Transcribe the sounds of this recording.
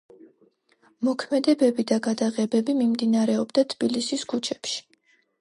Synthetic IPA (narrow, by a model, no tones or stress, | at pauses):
mɔkʰmɛd̪ɛbɛbid̪aɡad̪aʁɛbɛbimimd̪inaɾɛɔbd̪at̪ʰb̥ilisiskʰut͡ʃʰɛpʃi̥